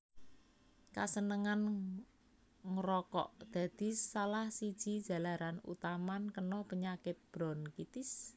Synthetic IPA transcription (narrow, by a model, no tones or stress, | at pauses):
kasənəŋan | ŋɾɔkɔ̰ʔd̪̥ä̤d̪̥i̤sːalahsid̥ʒ̥i̤d̥ʒ̥a̤laɾanṵt̪amankənɔpəɲakɪt̪̚b̥ɾɔnkit̪ɪs